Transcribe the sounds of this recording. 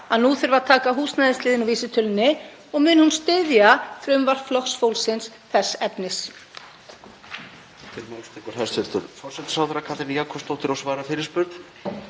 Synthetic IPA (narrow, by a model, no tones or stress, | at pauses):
aðnuːθʏɾvat̪ʰaːkaɦuːsnajðɪst̪ɪːðɪnuviːsɪt̪ʰʏlnːɪ | ɔɣmʏːnɪhunst̪ʏðjaθɾʏmvaɾ̥flɔksfowlsɪns | θɛsːɛpnɪs | t̪ʰɪlmawnst̪ʰɛkʏɾ̥hɛst̪ɪlt̪ʏɾfɔɾ̥sɛt̪ɪ̥sawðɾakʰat̪ɾijakʰɔst̪owht̪ɪɾawsvaːɾafɪːɾɪɾspʏɾt̪n̥